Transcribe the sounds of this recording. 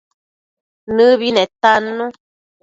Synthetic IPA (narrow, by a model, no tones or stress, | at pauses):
nɨβinẽt̪anɨnũ